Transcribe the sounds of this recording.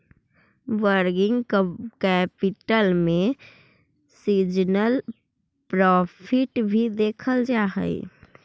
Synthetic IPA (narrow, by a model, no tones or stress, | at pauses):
ʋəɾɡɪ̃ŋɡkɛpɪʈəlmẽ | sid͡ʒnəl | pɾɔːpʰɪʈbʱid̪eːkʰəld͡ʒaːɦə̰ḭ